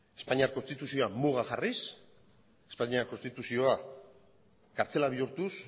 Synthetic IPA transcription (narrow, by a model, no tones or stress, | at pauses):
e̞spaɲiaɾko̞nst̪it̪usio̞amuɣ̞axaris | e̞spaɲiako̞nst̪it̪usio̞a | kaɾt͡se̞laβiuɾt̪us